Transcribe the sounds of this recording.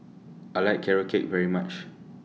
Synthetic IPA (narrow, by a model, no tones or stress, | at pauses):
aɪlaɪkʰːɛɹəkʰet̚vɛɹimat͡ʃ